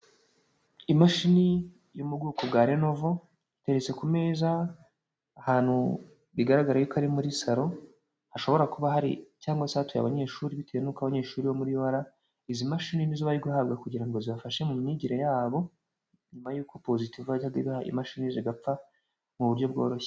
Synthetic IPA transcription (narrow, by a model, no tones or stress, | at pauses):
imaʃini | jumubɡuːkobɡaːɾeno̞vo̞ | ite̞ɾet͡se̞kume̞ːzaː | haːn̥hṵ | βiɡaɾaɡaɾajukʰaɾimuɾisaɾo̞ | haʃo̞βo̞ɾakuβaɦaɾḭcaːŋɡwasatuja̰βaɲeːʃuːɾiβite̞jenuːkaβaɲe̞ːʃuːɾiβomuɾiwaɾa | izimaʃininizoβaɾiɡuhab̚ɡakuɟiɾaŋɡo̞ziβafaʃe̞mumɲiɟiɾejaːβo̞ | ɲumajuːko̞po̞zitivuaihaɡaβihaʔḭmaʃiniziɡap͡fa | muβuɾjo̞bɡo̞ːɾo̞çe̥